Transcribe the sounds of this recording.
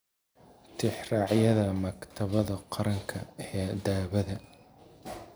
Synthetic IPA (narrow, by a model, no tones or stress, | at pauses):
t̪ʰɪħrɑːʕjɐðɐmɐkt̪ʰɐβɐðɐqɑɾɐŋkʰɐɛːd̪aːβɐðɐ